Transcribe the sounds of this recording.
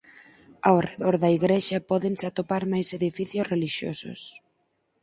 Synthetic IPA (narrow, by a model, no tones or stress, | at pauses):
awreðɔɾðɐiɣɾeʃɐpɔðensat̪opaɾmajseðifiθjosreliʃjo̰sʊ̰s